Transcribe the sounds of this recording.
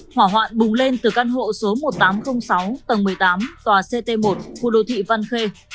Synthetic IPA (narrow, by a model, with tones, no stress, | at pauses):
hwaː˧˩ɦwa̰ː˧˨nɓʊ˨˩ŋ͡mle˧nt̪ɨ˨˩ka˧nɦo̰˧˨so˨˦mo˨˩t̚t̪aː˨˦mxə˧wŋ͡msa˨˦wt̪ə˨˩ŋmɨ˨˩əjt̪aː˨˦mt̪waː˨˩se˧t̪e˧mo˨˩t̚xṵ˧˥ɗo˧˩t̪ʰḭ˧˨va˧nxe˧